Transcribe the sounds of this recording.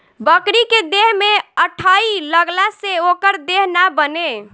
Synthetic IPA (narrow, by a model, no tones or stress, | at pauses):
bəkɾiked̪eɦmeəʈʰailəɡlaseokəɾd̪eɦnabəne